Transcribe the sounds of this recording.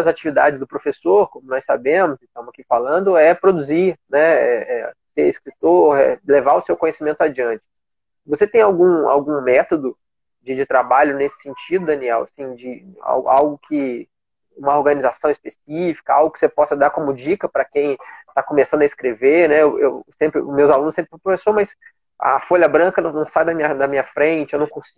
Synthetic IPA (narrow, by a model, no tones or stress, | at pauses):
ɐzat͡ʃivid̪a̰d͡ʒɪzd̪ʊpɾofesoɾkõmʊnɔsabẽmʊzɪst̪ɐ̃mʊzakifalɐ̃nd̪ʊɛpɾod̪uzinɛɛɛseɾiskɾit̪oɾɛ̰levaʊsewkõɲesimẽnt̪ʊad͡ʒiɐ̃nt͡ʃɪ̥ | voset̪ẽj̃awɡũa̰wɡũmɛt̪od̪ʊ | d͡ʒɪd͡ʒɪt̪ɾabaʎʊnesɪ̥sẽnt͡ʃid̪ʊd̪ɐniɛwɐ̰sĩd͡ʒɪa̰wɡ̰awɡʊkʰɪ | ũmɐoɾɡɐ̃nizasɐ̃w̃ɪspesifi̥kɐa̰wɡʊkɪ̥sepɔsɐd̪aɾkõmʊd͡ʒikɐpɾɐkẽj̃t̪akõmesɐ̃nd̪ʊɐɪskɾevenɛewʔḛwsẽmpɾɪ̰mewzalũnʊsẽpɾɪppɾofesoɾmɐs | ɐ̰foʎɐbɾɐ̃kɐnɐ̃nɐ̃w̃sajd̪ɐmĩɲɐd̪ɐmĩɲɐfɾẽt͡ʃɪewnɐ̃w̃kõsi